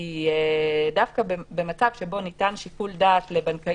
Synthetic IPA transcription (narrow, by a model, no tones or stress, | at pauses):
iedafkabebe̞mat͡savʃe̞bo̞nitanʃikuldaːtle̞banka